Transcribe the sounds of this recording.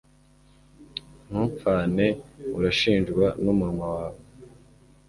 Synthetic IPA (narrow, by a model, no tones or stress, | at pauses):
n̥huːɱfaːne̞uɾaʃiːnʒɡwanumuhamawaːβo